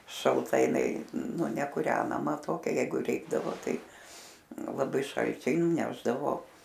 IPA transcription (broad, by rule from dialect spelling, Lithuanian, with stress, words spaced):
ʃɐlˠˈtɐ jɪˈnɐɪ ˈnʊ nʲɛkʊˈrʲæːnɐmɐ ˈtoːkʲɛ ˈjɛɪɡʊ ˈrʲɛɪɡdɐʋoː ˈtɐɪ ˈnʊ lˠɐˈbɐɪ ˈʃɐlʲt͡ʃʲɛɪ nʊˈnʲæːʒdɐʋoː